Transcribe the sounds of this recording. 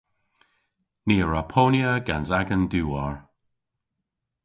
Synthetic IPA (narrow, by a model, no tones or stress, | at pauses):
niːəɹapʰoːnjəɡanzaɡənduːɔɹ